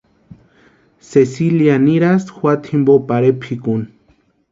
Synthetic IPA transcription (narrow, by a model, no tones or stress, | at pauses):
sesiljaniɾasxwat̪ʰimbopaɾepʰikun